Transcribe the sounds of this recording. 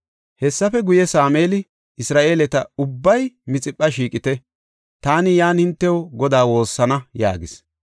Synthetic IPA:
hɛsːɐfɛɡʊjɛsaːmeːlɪ | ɪsɾaːʔe̞ːlɛt̪ɐʊbːɐjmɪt͡sʼɪpʼːɐʃiːkʼɪt̪ɛ | t̪aːnɪjaːnhɪnt̪ːɛwɡɔd̪aːwo̞ːsːɐnɐja̰ːɡɪs

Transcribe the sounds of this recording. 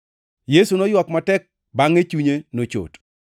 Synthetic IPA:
jesunɔjwɔkmatɛk̚ | baŋet͡ʃuɲenot͡ʃo̰t

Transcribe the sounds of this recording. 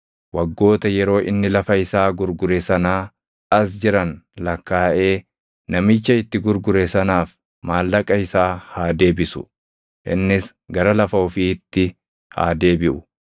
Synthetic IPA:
wɐɡːo̞ːt̪ɐjɛɾo̞ːʔɪnːɪlɐfɐɪsaːɡʊɾɡʊɾesɐnaː | ɐs̬d͡ʒɪɾɐnlɐkːaːʔe̞ː | nɐmɪt͡ʃːɐɪt̪ːɪɡʊɾɡʊɾesɐnaːf | maːlːɐkʼɐɪsaːhaːd̪e̞ːbɪsʊ̥̰ | ʔɪ̰nːɪs | ɡɐɾɐlɐfɐʊfiːt̪ːɪ | ha̰ːd̪e̞ːbɪʔʊ

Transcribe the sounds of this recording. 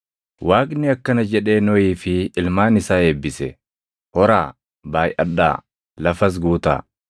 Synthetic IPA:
waːknɪɐkːɐnɐd͡ʒɛᶑe̞ːnɔiːfɪɪlmaːnɪsaːe̞ːbːɪsɛ | hɔɾaː | baːjʔɐ̰ᶑːa̰ː | lɐfɐs̬ɡuːt̪a̰ː

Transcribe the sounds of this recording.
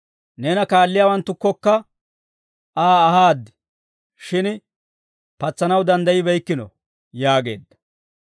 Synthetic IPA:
nɛːnɐkaːlːɪjaːwɐnt̪ːʊkːɔkːɐ | aːhaːd̪ːɪ̥ | ʃɪn | pɐt͡sːɐnɐwd̪ɐnd̪ɐjɪbɛjkːɪnɔ | jaːɡe̞̰ːd̪ːɐ̥

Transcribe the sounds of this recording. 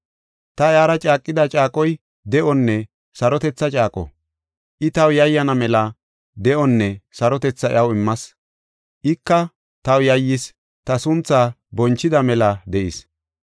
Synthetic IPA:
t̪ɐɪaːɾɐt͡ʃʼaːkʼːɪd̪ɐt͡ʃʼaːkʼɔj | d̪ɛʔɔnːɛ | sɐɾɔt̪ɛt͡sːɐt͡ʃʼaːkʼɔ̰ | ʔɪt̪ɐwjɐjːɐnɐmɛlɐ | d̪ɛʔɔnːɛsɐɾɔt̪ɛt͡sːɐɪ̰ʔɐwɪmːɐs | ʔɪkːɐ | t̪ɐwjɐjːɪs | t̪ɐsʊnt͡sːaːbɔnt͡ʃːɪd̪ɐmɛlɐd̪ɛʔɪs

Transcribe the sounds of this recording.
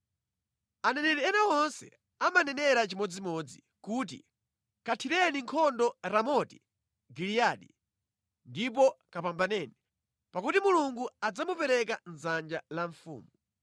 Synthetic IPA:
anɛnɛɾɛɛnawɔnsɛ̰ | amanɛnɛɾat͡ʃimɔd͡zimɔd͡zi | kuːt̬ḭ | katʰiɾɛniŋkʰɔndɔɾamɔti̥ | ɡilijaːɗḭ | ndip̬ɔkapambanɛːni | pakutimuluŋɡuad͡zamupɛɾɛkan̩zand͡ʒalaɱfṵːmu

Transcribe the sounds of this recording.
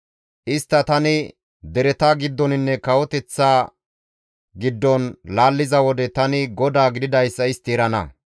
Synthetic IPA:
ʔɪst̪ːɐt̪ɐnɪ | d̪ɛɾɛt̪aːɡɪd̪ːɔnɪnːɛkɐwɔt̪ɛt͡sːaː | ɡɪd̪ːɔnlaːlːɪzɐwɔd̪ɛt̪ɐnɪɡɔd̪aːɡɪd̪ɪd̪ɐjsːɐɪst̪ɪːɾɐnɐ̰

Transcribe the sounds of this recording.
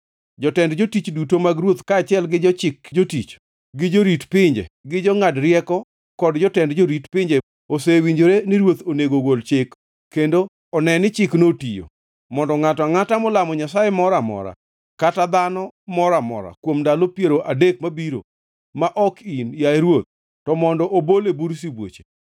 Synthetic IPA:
d͡ʒɔtɛndd͡ʒotit͡ʃdutomaɡɾwot̪kaːt͡ʃɪɛlɡɪd͡ʒɔt͡ʃɪkd͡ʒotit͡ʃ | ɡɪd͡ʒoɾitpɪɲd͡ʒḛɡɪd͡ʒɔŋadɾɪjɛkɔ | kɔdd͡ʒɔtɛndd͡ʒoɾitpɪɲd͡ʒe | osewiɲd͡ʒoɾenɪɾwot̪oneɡoɡolt͡ʃɪk | kːendo | ɔnɛnɪt͡ʃɪknotijo̰ | mɔndɔŋatɔaŋatamɔlamɔɲasajɛmɔɾamɔ̰ɾa̰ | katad̪anɔmɔɾamɔ̰ɾa̰kwomdalopjeɾoʔadek̚mabiɾo̰ | maʔɔkinjaeɾwot̪̚ː | ɔmɔndɔʔobolebuɾs̬ibwo̰t͡ʃe̥

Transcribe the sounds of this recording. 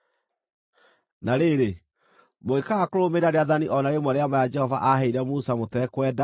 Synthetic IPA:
naɾeɾe | moekaɣakoɾomeɾaɾeaðaniʔɔnaɾemwɛɾeamajad͡ʒɛhɔvaʔaɦeiɾɛmusamotɛkwɛda

